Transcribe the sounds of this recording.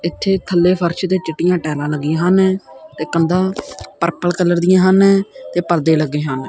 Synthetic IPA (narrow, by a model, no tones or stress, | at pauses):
ɪt̪ʰːeːt̪ʰəlːeːpʰəɾʃt̪eːt͡ʃɪʈːɪjãːʈɛːlãːləɡːɪãːɦənɛːt̪eːkənd̪ãːpəɾpəlkəlːəɾd̪ɪjãːɦənːt̪eːpəɾd̪eːləɡːeːɦən